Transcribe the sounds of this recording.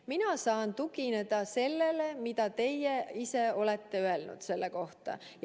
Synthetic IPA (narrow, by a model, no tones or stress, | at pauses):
minɑsɑːnt̪uɡine̞d̪̥ɑse̞lːe̞le̞mid̪̥ɑt̪e̞jːeise̞o̞let̪ːe̞øe̞lnṵd̪̥se̞lːeko̞ht̪ɑ̰